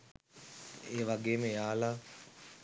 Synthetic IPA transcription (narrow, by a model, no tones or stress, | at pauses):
eːʋaɡeːməjaːla